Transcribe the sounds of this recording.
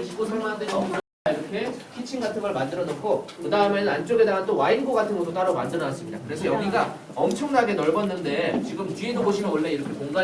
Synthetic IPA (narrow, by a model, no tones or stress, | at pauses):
t͡ɕiɡosʰaŋadeʌkɯɾ | aiɾʌkʰe̞kʰit͡ɕʰinɡatʰɯnɡʌɭmandɯɾʌnokʰokɯdaɯmenɯnant͡ɕ͈oɡe̞deŋant͈owainɡoɡatʰɯnɡʌt͈ʰot͈aɾʌmand͡ʑʌnɦas͈ɯmɲida̰kɯɾe̞s̬ʰʌjʌɡiɡa | ʌmt͡ɕʰʌŋnaɡe̞nʌɭbʌnːɯnde̞t͡ɕiɡɯmt͡ɕiedoboɕʰimjʌnoɭːe̞iɾʌkʰe̞koŋɡa